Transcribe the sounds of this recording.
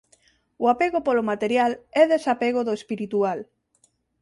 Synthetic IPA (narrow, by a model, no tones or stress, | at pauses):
oapeɣopolomat̪eɾjalɛðesapeɣ̞oðoespiɾit̪ual